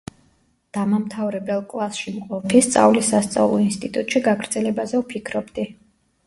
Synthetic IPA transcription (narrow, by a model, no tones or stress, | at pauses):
d̪̥amamt̪ʰavɾɛbɛlˠkʼlˠasʃimqʼɔpʰist̪sʼa̰vlisːast̪sʼa̰vlˠɔinst̪ʼit̪ʼut̪ʼʃiɡaɡɾd̪zɛlɛbazɛupʰikʰɾɔbd̪i